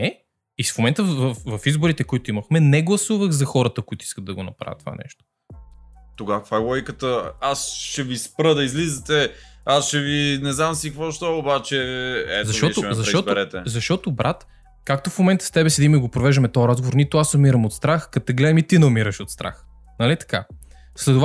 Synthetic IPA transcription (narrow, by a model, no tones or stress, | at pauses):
nɛ | ifmomɛnt̪əvɐfvɐfizbʊɾit̪ɛkoit̪ʊiməxmɛnɛɡlˠɐsuvəxzɐxɔɾət̪əkʊit̪ʊi̥skətd̪d̪ɐɡonɐ̰pɾa̰vʲət̪ːo̥va̰nɛ̰ʃt̪o̥ | t̪oɡafajwɔjkət̪əasʃɛvispɾəd̪ɐizlizət̪ɛasʃɛvinɛznamsikvɔʃt̪ɔobat͡ʃɛɛ̰zɐʃt̪ɔt̪ozɐɔtb̪ɾɛt̪ɛzɐʃt̪ɔt̪obɾʔat̪ | kakt̪ofmomɛnt̪ə̥st̪ɛbɛsɛd̪imɛɡopɾovɛʒd̪əmɛt̪ɔɾazɡovoɾnit̪oasomiɾɐmot̪st̪ɾaxkɐt̪ɛɡlɛd̪mit̪inɐmiɾəʃot̪st̪ɾa̰x | nɐlit̪ɐ̥ka | slɛt̪ov